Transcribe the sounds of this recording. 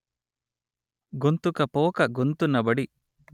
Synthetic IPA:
ɡont̪ukɐpoːkɐɡont̪unːɐbɐɽi

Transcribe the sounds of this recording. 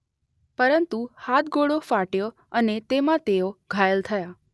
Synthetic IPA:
pəɾənt̪uhat̪ɡoɽofaʈjo | ənet̪emãt̪eoɡʱajelt̪ʰəja

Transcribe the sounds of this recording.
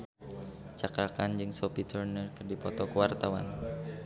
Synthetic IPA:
t͡ʃakɾakand͡ʒɨŋsopit̪ərnərkərdipɔt̪ɔkəwart̪awa̰n

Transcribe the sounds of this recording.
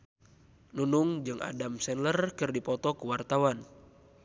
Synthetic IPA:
nunuŋd͡ʒɨŋʔa̰damsɛnlərkɨrdipɔt̪ɔkuwart̪awan

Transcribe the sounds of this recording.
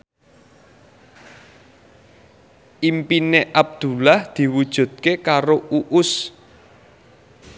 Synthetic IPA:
ʔimpineʔab̚d̪̥ṳlahd̪̥i̤wud̥ʒ̥ṳd̪̥̚kekaɾouʔʊs

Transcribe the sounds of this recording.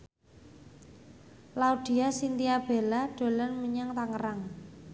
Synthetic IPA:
laud̪̥i̤asint̪iab̥e̤laɖ̥o̤lanməɲaŋt̪aŋəɾaŋ

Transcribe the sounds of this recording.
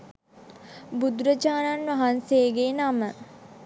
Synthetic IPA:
bud̪ɾəd͡ʒaːnanʋɐɦanseːɡenamə

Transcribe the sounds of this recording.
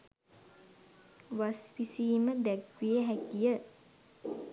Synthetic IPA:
ʋasʋisiːməd̪ækʋijəɦækijə

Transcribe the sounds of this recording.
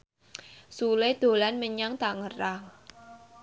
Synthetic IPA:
suled̪̥o̤lanməɲaŋt̪aŋəraŋ

